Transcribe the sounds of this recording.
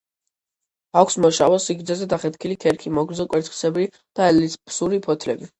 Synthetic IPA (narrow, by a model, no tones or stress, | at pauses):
akʷʰsmɔʃavɔsiɡɾd̪zɛzɛd̪aχɛt̪kʰilik̪ʰɛɾkʰimɔɡɾd̪zɔkʼwɛɾt̪ʰχi̥sɛbɾi | d̪̥aɛlispsuɾipʰɔt̪ʰlɛbi